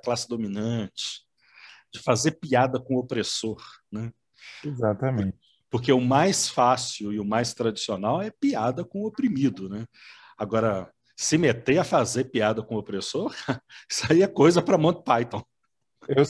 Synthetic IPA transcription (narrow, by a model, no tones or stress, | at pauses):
klasɪd̪ominɐ̃t͡ʃɪ̥ | d͡ʒɪfazeɾpiad̪ɐkõopɾesoɾnɛ | ezat̪ɐm̃t͡ʃɪpʊɾk̬eʊmajsfasiʊɪʊmajst̪ɾad͡ʒisionawɛpiad̪ɐkõopɾimid̪ʊnɛ | aɡɔɾɐ | sɪmet̪eɐfazepiad̪ɐkõʊopɾesoɾsaiɐkojzɐpɾɐmõt̪pajt̪õw̃ | ew